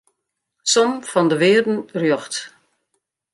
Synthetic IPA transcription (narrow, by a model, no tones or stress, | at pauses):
sɔmfɔndəʋɪːərdn̩rjɔxt